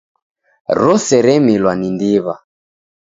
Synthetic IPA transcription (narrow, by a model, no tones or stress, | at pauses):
ɾɔsɛɾɛmilwanindiβa